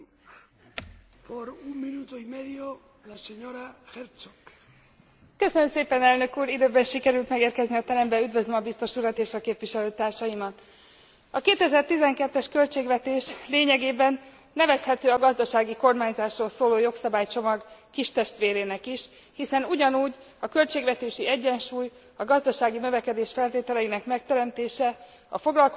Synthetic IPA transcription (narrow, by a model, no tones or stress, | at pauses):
poɾumːinut̪oimɛðio | laseɲoɾaxeɾt͡sok | kø̞sønømseːpɛnɛlnø̞kuːɾid̪øːbɛnʃikɛɾylt̪mɛɡeːrkɛzniɒt̪ɛɾɛmbɛyd̪vø̞zømɒbist̪o̞ʃuɾɒt̪eːʃɒkeːpviʃɛløːt̪aːrʃɒjimɒt̪ | ɒkeːt̪ɛzɛrt̪izɛŋkɛt̪ːɛʃkø̞lt͡ʃeːɡʋɛt̪eːʃleːɲɛɡeːbɛnː | ɛvɛshɛt̪øːɒɡɒzd̪ɒʃaːɡiko̞rmaːɲzaːʃroːlsoːloːjo̞ksɒbaːjt͡ʃo̞mɒɡkiʃt̪ɛʃt̪ʋeːɾeːnɛkiʃ | hisɛnuɟɒnuːɟ | ɒkø̞lt͡ʃeːɡvɛt̪eːʃiɛɟːɛnʃuːj | ɒɡɒzd̪ɒʃaːɡinø̞vɛkɛd̪eːʃfɛlt̪eːt̪ɛlɛjinɛkmɛk̚t̪ɛɾɛmt̪eːʃɛ | ɒ̰fo̞ɡlɒlk